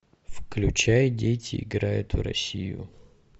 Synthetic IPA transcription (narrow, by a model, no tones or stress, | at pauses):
fklʲʉt͡ɕajdʲejtʲɪɪɡɾajʊt̪ɾɐ̰sʲijʊ̰